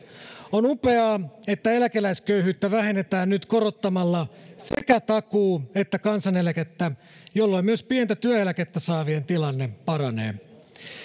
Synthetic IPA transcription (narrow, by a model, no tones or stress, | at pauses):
onupe̞ɑːe̞t̪ːæelækelæiskøyhyːt̪ːæʋæhe̞net̪æːnnyt̪koɾot̪ːɑmɑlːɑsḛkæt̪ɑkuːet̪ːækɑnsɑnelæket̪ːæ | jolːoimmyøspient̪æt̪yæelæket̪ːæsɑːʋient̪ilɑnːepɑrɑnḛː